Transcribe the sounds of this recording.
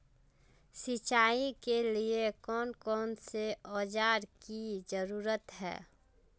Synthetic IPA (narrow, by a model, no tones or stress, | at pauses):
sɪt͡ʃaːikeliekɔːnkɔːnseɔːd͡ʒaːɾkid͡ʒəɾuːɾət̪ɦɛ̰ː